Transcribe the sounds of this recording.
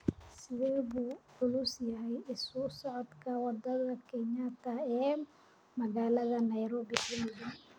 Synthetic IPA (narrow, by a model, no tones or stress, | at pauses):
sɪðɛːβuːʕʊlusjɐɦɛjɪssɔʕɔd̪kʰɐwɑd̪ɐðɐkʰɛɲat̪ʰɐɛː | mɐɣaːlɐðɐnɐjɾɔːbɪkʊmɪjɪn